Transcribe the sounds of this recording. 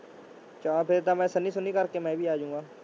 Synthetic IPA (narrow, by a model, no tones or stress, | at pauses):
t͡ʃaːpʰɪɾt̪amɛ̃ːsənisʊnikɐɾkemɛ̃ːbʱiːaːd͡ʒũːŋɡaː